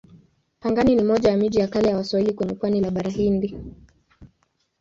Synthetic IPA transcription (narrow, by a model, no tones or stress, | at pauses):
paŋɡaninimɔʄajamiʄijakalɛjawaswahilikɛnukwanilaɓaɾaɦindi